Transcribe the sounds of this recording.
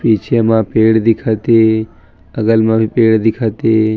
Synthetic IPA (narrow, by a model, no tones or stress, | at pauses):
pit͡ʃʰemãpeɽd̪ikʰat̪e | əɡəlmãbipeɽd̪ikʰat̪e